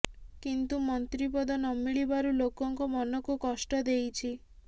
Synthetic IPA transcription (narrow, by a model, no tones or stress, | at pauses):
kint̪umɔnt̪ɾipɔd̪ɔnɔmiɭibaɾulokɔŋkɔmɔnɔkukɔsʈɔd̪ejt͡ʃʰi